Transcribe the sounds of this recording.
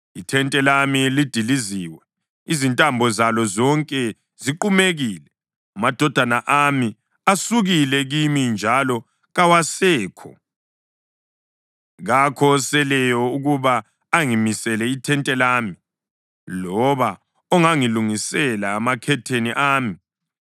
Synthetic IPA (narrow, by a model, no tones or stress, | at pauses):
itʰɛntʼɛlamilid̥ʱiliziːwɛ | izintʼambʱɔzalɔzɔŋkʼɛ | ziǃumeɣiːlɛ | amad̥ʱɔd̥ʱanaʔami | asuɣilɛɣimind͡ʒʱalɔ | ɣawasɛːkʰɔ̰ | ɣakʰɔsɛlɛjɔuɣuβaː | ŋimisɛlɛitʰɛntʼɛlaːmi | lɔβa | ɔŋaŋiluŋisɛlaːmakʰɛtʰeniʔaːmi